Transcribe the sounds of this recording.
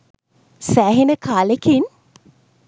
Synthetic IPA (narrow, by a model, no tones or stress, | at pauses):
sæːɦinəkʰaːlekin